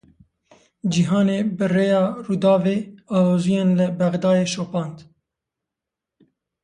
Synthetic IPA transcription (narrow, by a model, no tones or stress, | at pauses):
d͡ʒiɦɑːneːbɨreːjɑːruːd̪ɑːveːɑːloːzijɛnlɨbɛɣd̪ɑːjeːʃoːpɑːnt̪